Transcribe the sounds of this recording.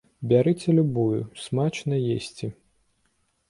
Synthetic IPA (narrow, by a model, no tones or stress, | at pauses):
bʲaɾɨt͡sʲɛlʲubujʊ̰smat͡ʃnɐjesʲt͡sʲi